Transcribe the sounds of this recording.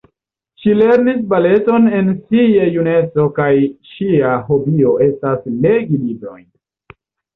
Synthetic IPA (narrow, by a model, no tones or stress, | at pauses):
ʃile̞ɾnisbale̞to̞ne̞nsiejune̞t͡so̞kajʃiaɦo̞bio̞e̞stasle̞ɡilibɾo̞̰jn